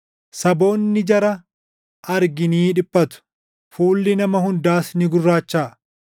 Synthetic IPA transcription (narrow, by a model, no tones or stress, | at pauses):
sɐbo̞ːnːɪd͡ʒɐɾɐ | ɐɾɡɪniːᶑɪpʼːɐt̪ʊ̥ | fuːlːɪnɐmɐhʊnd̪aːsnɪɡʊrːaːt͡ʃːaː